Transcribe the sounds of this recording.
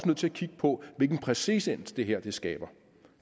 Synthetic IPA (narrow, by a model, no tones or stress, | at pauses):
sənøð̰ˠt͡sʰe̝ækʰiɡ̥ə̥pʰɒ̽ʋelɡ̥n̩pʰʁɛsḭːsen̰d̥d̥e̝ɦeɐ̰d̥e̝sɡ̥ɛ̰ːb̥ɐ